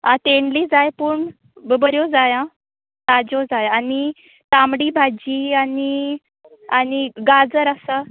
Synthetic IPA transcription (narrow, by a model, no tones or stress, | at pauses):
at̪eɳɖliːd͡zajpuɳ | bəbəɾjod͡zajã | t̪ad͡ʑod͡zajani | t̪amɽiːbʱad͡ʑiani | aniɡad͡zəɾasa